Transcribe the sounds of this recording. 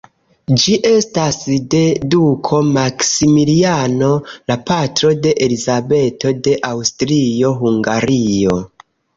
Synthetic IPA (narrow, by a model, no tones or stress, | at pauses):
d͡ʒiʔe̞stasde̞dukʰo̞maksimiliano̞lapatɾo̞de̞ʔelizabe̞to̞de̞ʔawstɾio̞ɦuŋɡaɾijo̞